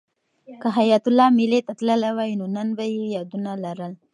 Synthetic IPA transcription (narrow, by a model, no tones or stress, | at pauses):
kəɦajat̪ʊlɑmilet̪at̪ləlawajnonənbajejɑd̪unalaɾəl